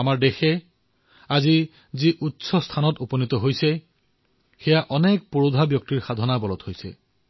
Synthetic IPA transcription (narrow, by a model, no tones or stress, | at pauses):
amaɹdexɛ | azi | ziʔutsɔstʰanɔtupɔnit̪ɔɦojsɛ | xɛjaʔɔnɛk̚poɹodʱabjɔk̚tiɹxad̪ʱɔnabɔlɔthojsɛ̰